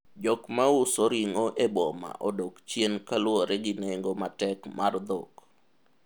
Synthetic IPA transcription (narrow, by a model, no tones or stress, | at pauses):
d͡ʒɔkmaʊsoɾiŋoʔebɔma̰ʔɔdokt͡ʃjenkalwoɾɛɡɪnɛŋɡomatɛkmʔard̪ɔk